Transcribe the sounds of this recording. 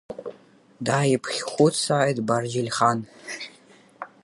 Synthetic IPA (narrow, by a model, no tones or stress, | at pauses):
daːjɪpʰχʲχʷʊtsaːjdbard͡ʒɪlʲχan